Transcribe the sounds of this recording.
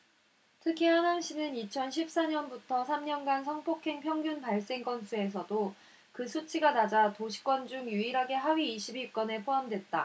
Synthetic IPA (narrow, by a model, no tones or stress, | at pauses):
tʰɯkʰihanɦaŋɕ͈ʰinɯnit͡ɕʰʌnɕʰip̚s͈aɲʌnbutʰʌsʰamɲʌnɡansʰʌŋpʰokʰeŋpʰjʌŋɡjunpaɭs͈e̞ŋk͈ʌnsʰue̞s̬ʰʌdo | kɯsʰut͡ɕʰiɡanad͡ʑatoɕʰi̥k͈wʌnd͡ʑuŋjuiɾɦaɡe̞ɦaɥiːɕʰibiɭk͈ʌne̞pʰoamdwe̞t̚t͈a